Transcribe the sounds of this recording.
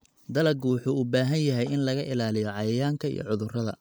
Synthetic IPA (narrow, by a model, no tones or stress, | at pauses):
d̪ɐlɐɡwʊħuːubaːɦɐnjɐɦɛjɪnlɐɣɐʔɪlaːlɪjɔʕɑjɐjaːŋkʰɐḭjɔ̰ʕʊðʊrɐðɐ̰